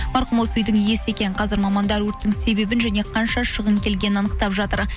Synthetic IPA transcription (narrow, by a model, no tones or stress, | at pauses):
mɑɾqəmolˠsʏjd̪ɪŋje̞sɪe̞kʲe̞nqʰɑzɪɾmɑmɑnd̪ɑɾwɵɾt̪ːɪŋse̞be̞bɪnʒæne̞qʰɑnʃɑʃəʁəŋkʲʰe̞lɡʲe̞nɪnɑnəqt̪ɑpʒɑt̪əɾ